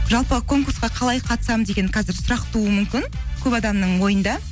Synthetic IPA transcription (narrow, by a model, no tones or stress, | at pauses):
ʒɑlˠpəkʰo̞ŋkuɾsqɑqʰɑlˠɑjqʰɑt̪ə̥sɑmd̪e̞ɡʲe̞nqʰɑzɪɾsʊɾɑqt̪uəmʏmkʲɪnkʲʰɵpɑd̪ɑmnəɴwo̞jənd̪ɑ